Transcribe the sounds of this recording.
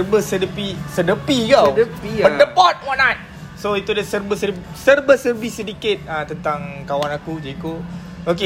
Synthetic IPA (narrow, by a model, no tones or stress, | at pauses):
rbəsədəpisədəpiɡaəiəndəbɔt̪̚wãnːat̚ | soit̪udəsərbəsəɾ | sərbəsərbisːədikɪt̪̚ət̪ənt̪aŋkawanakud͡ʒeiku | oke